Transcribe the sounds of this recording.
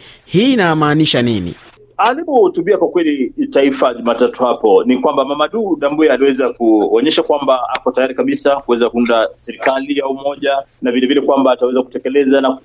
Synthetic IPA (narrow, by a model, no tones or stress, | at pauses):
hiːnamaːniʃaninḭ | alipɔhutuɓiakwakwɛlitaifaʄumaːtatuhapɔnikwambamamaɗuːɗambuɛaliwɛzakuɔɲɛʃakwambaakɔtajaɾikaɓisakuwɛzakuundasɛɾikalijaumɔʄanavilɛvilɛkwambaːtawɛzaku̥tɛkɛlɛzana